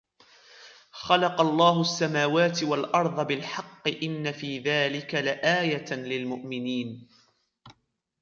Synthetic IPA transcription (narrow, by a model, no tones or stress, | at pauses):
xɑlɑqɑlˤːɑːɦʊasːamaːwaːt̪ɪwalʔɑɾˤd̪ˤɑbɪlħɑqːɨʔɪnːafiːðaːlɪkalɪʔaːjalɪlmʊʔmɪniːn